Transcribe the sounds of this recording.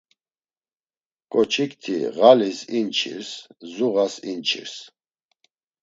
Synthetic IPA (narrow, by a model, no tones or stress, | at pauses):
kʼɔt͡ʃʰikt̪ʰḭɣalisint͡ʃʰḭɾszuɣasint͡ʃʰḭɾs